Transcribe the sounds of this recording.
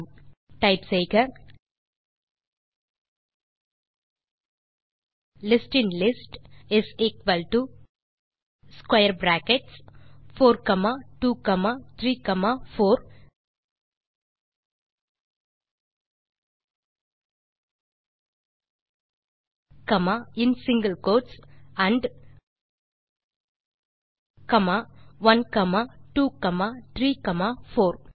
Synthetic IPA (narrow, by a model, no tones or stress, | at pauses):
ʈaɪpseːkəɾ | lɪsʈɪ̃nlɪsʈɪseːkʋɐlʈu | skwajəɾbɾaːkeʈsfʰoːɾkɐmaʈuːkɐmat̪ʰɾiːkɐmafʰoːɾ | kɐmaɪ̃nsɪ̃ŋɡəlkoːʈsãɳɖ | kɐmaʋɐnkɐmaʈuːkɐmat̪ʰɾiːkɐmafoːɾ